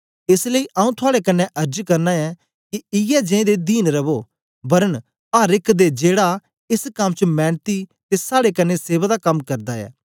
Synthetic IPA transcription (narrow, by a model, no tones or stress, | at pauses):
ɪsləiːʔaːũt̪ʰʊaːɽekɐnːɛ̃ʔɐɾd͡ʒkɐɾnaɛ | kiɪjɛd͡ʒẽẽd̪ed̪iːnɾɐbo | bɐɾən | aːɾɪkʰd̪ed͡ʒeːɽa | ɪskɐmːt͡ʃmɛ̃ːnt̪it̪esaːɽekɐnːɛseːbad̪akɐmkɐɾd̪aːɛ̰ː